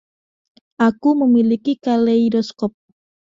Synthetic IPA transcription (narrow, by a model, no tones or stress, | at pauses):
ʔakuməmilikikaleidɔskɔp̚